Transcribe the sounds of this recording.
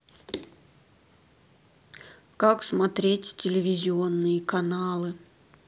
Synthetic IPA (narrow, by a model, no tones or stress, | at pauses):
kaksmɐt̪ɾʲetʲtʲɪlʲɪvʲɪzʲɪo̞nːɨjəkɐnalˠɨ